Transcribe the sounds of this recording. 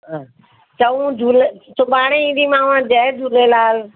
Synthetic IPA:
t͡ʃəũd͡ʒʱuːlesʊɓaːɽ̃ẽĩːnd̪iːmãːʋãːd͡ʒɛːd͡ʒʱuːleːlaːl

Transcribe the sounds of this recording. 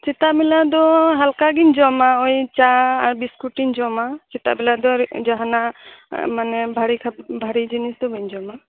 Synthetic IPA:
t͡ʃit̪aʔbɛlad̪ɔɦalkaɡind͡ʒɔmaɔjt͡ʃaːɾbiskuʈiɲd͡ʒɔmat͡ʃit̪a̰ʔbɛlad̪ɔd͡ʒaɦana | manɛbʱaɾikʰabbʱaɾid͡ʒinisd̪ɔbaɲd͡ʒɔma

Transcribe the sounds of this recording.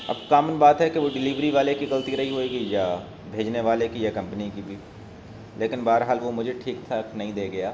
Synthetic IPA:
ɐ̰bkaːmənbaːt̪ɦɛkeʋoɖɪliʋɾiʋaːlekiɡɐlt̪iɾɐɦiɦoːiɡəija | bʱeːd͡ʒneʋaːlekijakɐ̃mpənikibʱi | leːkɪnbaːəɾɦaːlʋomʊd͡ʒʱeʈʰiːkt̪ʰaknɐɦĩd̪eːɡɐjaː

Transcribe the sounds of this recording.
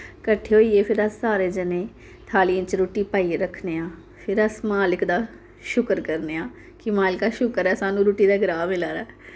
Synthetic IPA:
kəʈʰːeːɦoːiːeːpʰɪɾəsːaːɾeːd͡ʒənẽː | t̪ʰaːliə̃t͡ʃɾoːʈiːpaːieɾəkʰneːãː | pʰɪɾəsmaːlɪkd̪aː | ʃʊkɾkəɾneːãː | kɪmaːlɪkaːʃʊkəɾɛːsaːnũːɾuːʈiːd̪aːɡəɾaːmɪlaːɾɛː

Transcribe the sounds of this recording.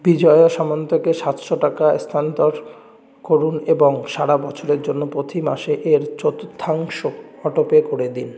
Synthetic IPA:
bid͡ʑɔeoʃamont̪okeʃat̪ʃoʈakast̪ʰant̪ɔɾ | koɾuneboŋʃaɽabɔt͡ɕʰoɾeɾd͡ʑonːopɾot̪ʰima̰ʃeʔeɾt͡ɕot̪t̪ʰːaŋʃoɔʈopekoɽed̪in

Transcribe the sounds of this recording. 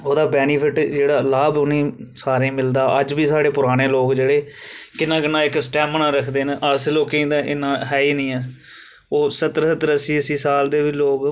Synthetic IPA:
oːd̪aːbɛːniːpʰɪʈd͡ʒeːɽaːlaːbʊnĩːsaːɾẽːmɪld̪aːʔəd͡ʒbiːsaːɽeːpʊɾaːñeːloːɡd͡ʒeːɽeːkɪnːãːkɪnãːɪksʈɛːmnãːɾəkʰd̪eːnʔəsloːkĩːd̪aʔɪnãːɦɛːiːnəĩːɛː | oːsət̪ɾsət̪əɾəsiːəsiːsaːld̪eːʋiloːk

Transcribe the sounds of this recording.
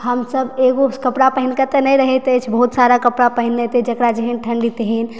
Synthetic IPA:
həmsəbeɡokəpɽapəɦinkat̪enəjɾəɦɛt̪et͡ʃʰbəɦut̪saɾakəpɽapəɦinːet̪ed͡ʒəkɾad͡ʒəɦɛnʈʰəɳɖit̪eɦin

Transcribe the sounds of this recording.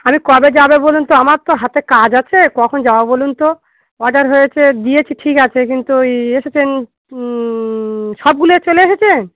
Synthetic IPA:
amikɔbed͡ʑabebolunt̪oamaɾt̪oɦat̪ekad͡ʑat͡ɕʰekɔkʰond͡ʑaoabolunt̪o | ɔɖaɾɦojet͡ɕʰed̪ijet͡ɕʰiʈʰikat͡ɕʰekint̪ueʃet͡ɕʰen | ʃɔb̚ɡuloet͡ɕoleeʃet͡ɕʰe

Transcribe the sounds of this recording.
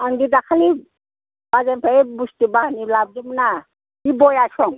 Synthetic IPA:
ʌnɡid̪akʰali | bazampʰebustibaɦnilab̚d̪imna | ibɔjasɔŋ

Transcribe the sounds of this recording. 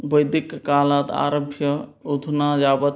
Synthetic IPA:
bəjd̪ikːalat̪a̰ɾəbʱjəud̪ʱnad͡ʒabət̪

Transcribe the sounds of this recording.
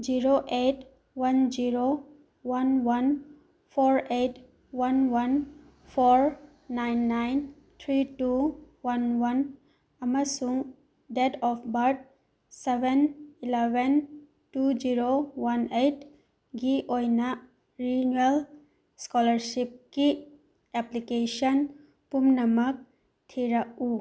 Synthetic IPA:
d͡ʒiɾoʔeʈ | wand͡ʒiɾo | wanwan | pʰɔɾeʈ | wanwan | pʰɔɾ | najnːajn | t̪ʰɾiʈu | wanwan | amasuŋ | dedɔpʰbaɾʈ̚ | sebʱenilebʱen | tud͡ʒiɾowanejt | ɡiʔojnɐ | ɾinuel | skɔlɐɾsip̚ki | eplikesɔn | pumnɐmɐk̚ | tʰiɾak̚u

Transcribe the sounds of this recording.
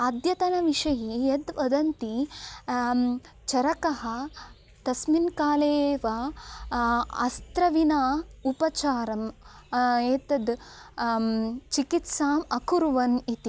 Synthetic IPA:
ɐd̪jɐt̪ɐnɐʋiʂɐjejɐd̪ʋɐd̪ɐnt̪i | t͡ʃɐɾɐkɐɦɐ̆ | t̪ɐsminkaːleːʋɐ | ɐ̰st̪ɾɐʋinaːupɐt͡ʃaːɾɐm | eːt̪ɐd̪ | t͡ʃikit̪saːmɐkuɾʋɐnit̪i

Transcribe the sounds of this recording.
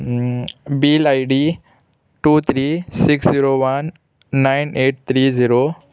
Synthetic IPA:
bilajɖi | ʈuːt̪ʰɾiːsiksziɾoʋɐnː | ajneːʈ̚t̪ʰɾiːziɾo

